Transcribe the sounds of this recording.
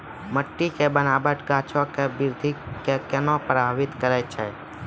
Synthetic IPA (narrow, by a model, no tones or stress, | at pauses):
məʈːikebənabəʈɡaːt͡ʃʰõkebɪɾd̪ʱikekɛnõpɾəbʱaʋɪt̪kəɾɛt͡ʃʰɛ